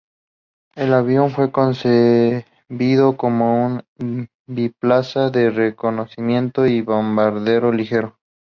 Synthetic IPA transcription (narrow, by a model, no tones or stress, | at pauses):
e̞laβjo̞ɱfwe̞ko̞nse | βiðo̞komoun | biplasaðereko̞no̞simjẽ̞nt̪o̞iβombaɾðe̞ɾo̞lixe̞ɾo̞